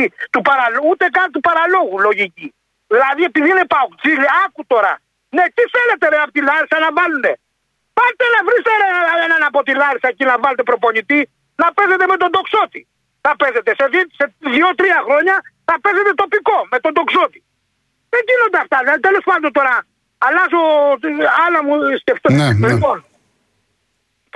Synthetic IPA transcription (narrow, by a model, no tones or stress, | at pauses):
it̪upɐɾɐlout̪e̞kɐnt̪upɐɾɐlo̞ɣulo̞ʝici | ðilɐðie̞piðinepɐt͡sileɐkut̪o̞ɾɐ̰ | ne̞t̪iθe̞le̞t̪e̞ðeɐpot̪ilɐɾisɐnɐvɐlune̞ | pɐɾt̪enɐvɾist̪eeenɐnɐpo̞t̪ilɐɾisɐecinɐvɐlet̪e̞pɾo̞po̞ɲit̪i | nɐpe̞ze̞t̪eme̞t̪o̞nd̪o̞kso̞t̪i | θɐpe̞ze̞t̪e̞seðiseðiot̪ɾiɐxɾo̞ɲɐθɐpe̞ze̞t̪e̞t̪o̞piko̞me̞t̪o̞nd̪o̞kso̞t̪i̥ | ðeɲɟino̞nd̪eɐft̪ɐðet̪elo̞spɐnd̪ot̪o̞ɾɐː | lɐzo | ɐlɐmusceft̪olipon